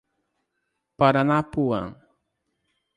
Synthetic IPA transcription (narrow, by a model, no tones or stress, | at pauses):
paɾanapuwa̰ŋ